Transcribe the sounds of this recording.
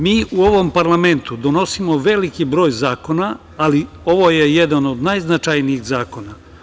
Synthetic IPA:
miːʔuo̞ʋo̞mpaɾlame̞nt̪ud̪o̞no̞simo̞ʋe̞likibɾo̞ːjzaːko̞na | ali | o̞ʋo̞jejed̪ano̞d̪najznat͡ʃajniiɣzaːko̞na

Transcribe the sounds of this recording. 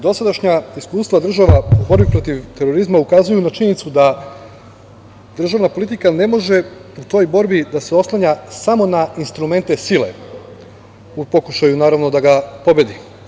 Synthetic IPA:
d̪o̞sad̪aʃɲaiskuːst̪ʋad̪r̩ʒaʋaubo̞ɾbipɾo̞t̪iʋt̪e̞ɾo̞ɾizmaukazujunat͡ʃiɲenit̪sud̪a | d̪r̩ʒaʋnapo̞lˠit̪ikane̞mo̞ʒe̞ut̪o̞jbo̞ɾbid̪aseo̞slˠaɲasamo̞nainst̪ɾume̞nt̪e̞silḛ | upo̞kuʃajunaːɾaʋno̞d̪aɡapo̞be̞d̪i

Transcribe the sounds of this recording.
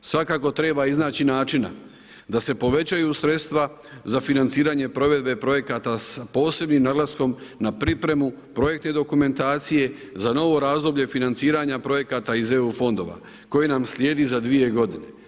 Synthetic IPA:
sʋakaːko̞t̪ɾe̞ːbaiznaːt͡ɕinaːt͡ʃina̰ | d̪ase̞po̞ʋe̞t͡ɕajusɾe̞t̪st̪ʋa | zafinant̪siːɾaːɲe̞pɾo̞ʋe̞d̪be̞pɾo̞je̞kat̪aspo̞ːse̞bnimnaɡlasko̞mnapɾipɾe̞mu | pɾo̞je̞kt̪ne̞d̪o̞kume̞nt̪aːt̪sije̞zano̞ʋo̞ɾaːzd̪o̞bʎe̞finant̪siːɾaɲapɾo̞je̞kat̪aize̞ufo̞nd̪o̞̰ʋa̰ | ko̞jenamslʲje̞ːd̪izad̪ʋije̞ɡo̞d̪ine̞

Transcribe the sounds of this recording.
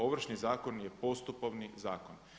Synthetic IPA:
o̞ʋr̩ʃnizaːkonjepo̞st̪upoʋnizaːkon

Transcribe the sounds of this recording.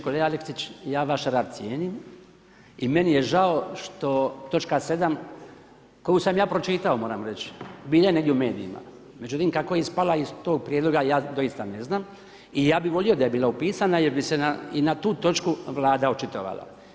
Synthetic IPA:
koleːɡaleksit͡ɕjaːʋaʃɾaːd̪t̪sije̞ːnim | ime̞nije̞ʒao̞ʃt̪o̞t̪o̞t͡ʃkase̞d̪am | ko̞jusamjaːpɾo̞t͡ʃit̪ao̞moːɾamɾet͡ʃbiːlajeneɡdʲjeume̞ːd̪iḭma̰ | me̞d͡ʑut̪imkakojeispalaist̪oːɡ̚pɾjed̪lˠo̞ɡajaːd̪o̞jist̪ane̞znaːm | ijaːbiʋo̞lijod̪aje̞biːlaupiːsanajeɾbise̞nainat̪uːt̪o̞t͡ʃkuʋlˠaːd̪aot͡ʃit̪o̰ʋa̰la̰

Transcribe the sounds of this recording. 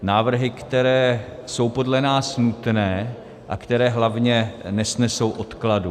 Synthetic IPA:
naːvr̩ɦɪkt̪ɛɾɛːso̞wpo̞dlɛnaːsnut̪nɛː | ʔakt̪ɛɾɛːɦlavɲɛnɛsnɛso̞wʔo̞t̪kladu

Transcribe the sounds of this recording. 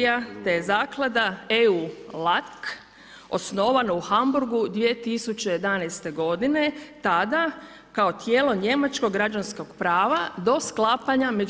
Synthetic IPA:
jat̪ejezaːklˠad̪aeulˠak | o̞sno̞ʋanouxambuɾɡud̪ʋie̞t̪isut͡ʃejed̪anajst̪e̞ɡo̞d̪ine̞t̪ad̪a | kao̞t̪jeːlˠo̞ɲe̞mat͡ʃkoɡːɾad͡ʒansko̞ɡ̥pɾaːʋad̪o̞sklˠapaɲame̞

